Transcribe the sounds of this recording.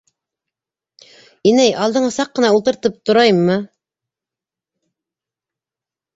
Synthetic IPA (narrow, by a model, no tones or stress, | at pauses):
inæjʔɑlˠd̪əɴɑsɑqːənɑulˠt̪ɨɾt̪ɨp̚t̪ʰuɾɑjmːɨ